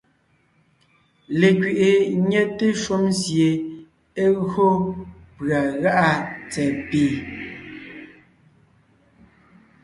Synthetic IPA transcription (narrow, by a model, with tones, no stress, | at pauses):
le˨kɥi˨ʔe˨ɲɛ˦te˦ʃo˦msje˨ | e˦ɣo˦pɰa˨ɣa˦ʔa˦t͡sɛ˨piː˦˨